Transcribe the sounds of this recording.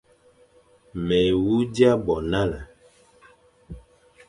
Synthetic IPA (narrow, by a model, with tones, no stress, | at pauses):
mɛ˨wu˦di˦a˦bɔ˨na˦la˨